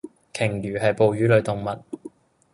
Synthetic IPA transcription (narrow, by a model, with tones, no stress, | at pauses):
kʰɪ˨˩ŋjyː˨˩ɦɐ˨jpo˨wjyː˨˥lɵ˨˧ɥt̪ʊ˨ŋmɐ˨t̚